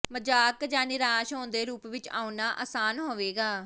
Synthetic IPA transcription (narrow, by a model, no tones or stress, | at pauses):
məd͡ʒaːkd͡ʒaːnɪɾaːʃɦõːnd̪eːɾuːpʋɪt͡ʃa̰ːunaːʔaːsaːnɦoːʋeːɡaː